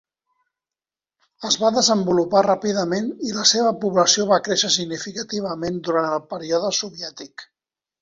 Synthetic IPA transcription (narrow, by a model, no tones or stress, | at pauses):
əzβaðəzəmbuluparapiðəmeniləseβ̞əpuβləsioβakɾeʃəsiɡnifikət̪iβ̞əmend̪uɾanəlˠpəɾiɔðəsuβiɛt̪ik